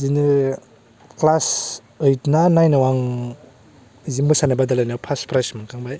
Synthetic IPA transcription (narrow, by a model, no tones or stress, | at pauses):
zinɯ | klas | ɯjtnanajnawaŋ | zimɯsanabadalajnawpʰaspɾasmɯŋkʰaŋbaj